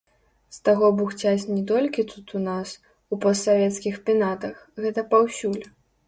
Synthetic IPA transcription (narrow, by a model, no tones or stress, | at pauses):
st̪aɣɔbuxt͡sʲat͡sʲnʲɛt̪ɔlʲkʲit̪ut̪unas | upɔst̪ːavʲɛt̪skʲixpʲinat̪ɐxɣɛt̪ɐpawsʲulʲ